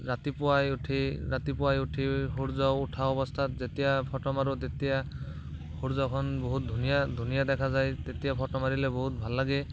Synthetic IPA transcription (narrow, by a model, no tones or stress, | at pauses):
ɹat̪ipʊwajuʈʰiɹat̪ipʊwajuʈʰiɦuɹzaʊuʈʰaɔbɔstʰatzet̪ijapʰɔʈɔmaɹut̪et̪ija | huɹzɔkʰɔnboɦut̚d̪ʱunijadʱunijad̪ɛkʰazajt̪et̪ijapʰɔʈɔmaɹilɛboɦut̚bʱalːaɡɛ